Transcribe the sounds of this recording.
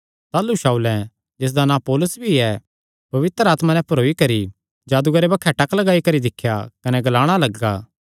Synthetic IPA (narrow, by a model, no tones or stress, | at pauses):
t̪aːlːuʃaːulɛ̃ | d͡ʒeːs̬d̪anãːpoːlʊsbʱiɛ | pɐʋɪt̪ɾəaːt̪mãnɛ̃pɐɾoːikɐɾi | d͡ʒaːd̪ʊɡɐɾebɐkʰːɛʈɐklɐɡaːikɐɾid̪ɪkʰːjakɐnɛɡɐlaːɽ̃alɐɡa̰ː